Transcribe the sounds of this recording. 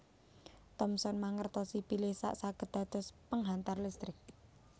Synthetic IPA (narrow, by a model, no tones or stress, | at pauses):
t̪ɔmsɔnmaŋərt̪ɔsipilɪhsa̰ʔsaɡ̥ə̤d̪̥a̤d̪̥ɔ̤spəŋɦant̪arlist̪ɾɪk̚